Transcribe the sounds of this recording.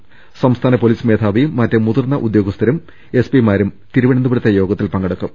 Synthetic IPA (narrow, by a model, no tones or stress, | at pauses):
sɐmst̪ʰaːnɐpoliːsme̞ːt̪ʰaːʋiːɐtːemuðurnːɐʔud̪jo̞ːɡɐst̪ʰɐɾum | e̞spimaːɾumt̪iɾuʋɐɳɐnd̪ubiɽɐt̪ːɐjo̞ːɡɐt̪ːilpɐŋɡɐɽɐkːum